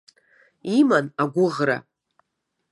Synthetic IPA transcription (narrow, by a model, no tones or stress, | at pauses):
imanaɡʷʊʁɾa̰